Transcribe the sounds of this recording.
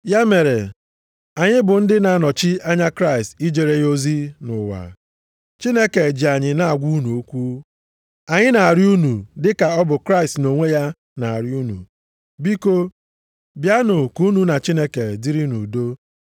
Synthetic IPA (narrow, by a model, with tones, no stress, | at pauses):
ja˦me˨ɾe˨ | a˨ɲɪ˦bʊ˨n̩˦dɪ˦na˨a˦nɔ˨t͡ʃi˦a˦ɲa˦kɾa˦i˨sti˦d͡ʒe˨ɾe˦jo˦zi˦nʊ˨wa̰˨ | t͡ʃi˦ne˦ke˨d͡ʒi˨a˨ɲɪ˨na˦a˨ɡʷu˦nu˨o˦kʷu˦ | a˨ɲɪ˦na˨a˨ɾju˦nu˨dɪ˦ka˨ɔ˦bʊ˨kɾa˦i˨stno˨ŋʷe˦ja˦ | na˨a˨ɾju˦nṵ˨ | bi˦ko˦ | bja˦nʊ˨ku˦nu˦na˨t͡ʃi˦ne˦ke˨dɪ˦ɾi˦nu˨do˦